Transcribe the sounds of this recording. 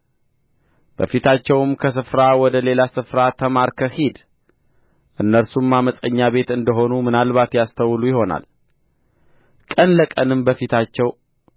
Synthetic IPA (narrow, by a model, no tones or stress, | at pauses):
b̥ə̰fit̪ʰat͡ʃːɛwmkʰəs̬ɨfɾawɔd̪əle̞lasɨfɾat̪ʰəmaɾkʰəhid̪ | ʔɨnːəɾsumːaməsʼəɲːaβe̞t̪ɨnd̪əɦo̞numɨnalβat̪jast̪ʰəwlujɪho̞na̰l | kʼənləkʼənɨmbəfit̪ʰat͡ʃːɛw